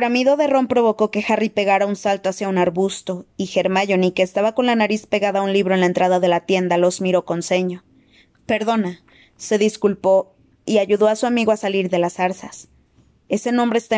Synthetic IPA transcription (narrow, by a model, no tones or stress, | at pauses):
ɾamiðo̞ðe̞ro̞mpɾo̞βo̞ko̞ke̞xaripe̞ɣaɾaunsalt̪o̞asjaunaɾβust̪o̞ixe̞ɾmaʝo̞nike̞ːst̪aβako̞nlanaɾispe̞ɣaðaunliβɾo̞e̞nlae̞nt̪ɾaðaðe̞lat̪je̞nd̪alo̞zmiɾo̞ko̞nse̞ɲo̞ | pe̞ɾðo̞na | se̞ðiskulpo̞ | iaʝuðo̞asuamiɣoasaliɾðe̞lasaɾsas | e̞se̞nõ̞mbɾeːst̪a